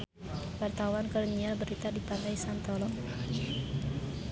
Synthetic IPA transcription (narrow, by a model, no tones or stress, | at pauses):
wart̪awankɔlonialbəɾit̪adipant̪ajsant̪ɔlɔ